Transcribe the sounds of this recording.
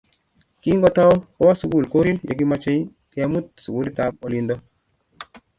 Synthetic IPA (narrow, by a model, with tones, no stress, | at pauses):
ki˦ŋɡɔ˦ta˦wkɔ˦wa˦su˨ɡu˦˨lko˦ɾi˦ljḛ˨k̬i˦ma˦t͡ʃe˦j | te˦ja˦mu˦t̪̚su˨ɡu˦li˦ta˦po˨li˧ndɔ˦